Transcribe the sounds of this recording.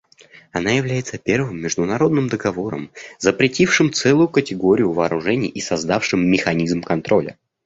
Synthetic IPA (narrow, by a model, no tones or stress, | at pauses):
ɐnajɪvlʲæjɪt̪səpʲe̞rvɨmːʲɪʐd̪ʊnɐɾo̞d̪nɨmd̪əɡɐvo̞ɾə̰mzəpɾʲɪtʲifʂɨmt̪sɛlˠʊjʊkətʲɪɡo̞ɾʲɪjʊvɐːɾʊʐɛnʲɪjːʔisɐzd̪afʂɨmːʲɪxɐnʲizmkɐnt̪ɾʔo̞lʲə̰